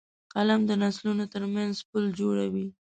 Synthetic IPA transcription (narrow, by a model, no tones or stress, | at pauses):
qalamd̪ənaslunot̪əɾmanzpəld͡ʒoɽawi